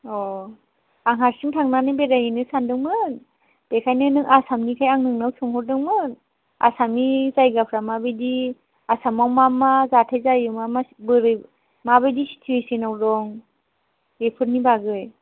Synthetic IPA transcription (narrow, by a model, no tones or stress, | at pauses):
ɔ | aŋɦaɾsiŋtʰaŋnanɯbeɾajinɯsandɯŋmɯn | b̥ekʰajnɯnɯŋasamnikʰajaŋnɯŋnawsɔŋɦɔɾ̚dɯŋmɯ | a̰samizajɡapʰɾamabɯjdi | asamawmamazatʰajzajɯmamabɯɾɯ | mabɯjdisi̥tʰuesinawdɔŋ | epʰɯɾnibaɡɯj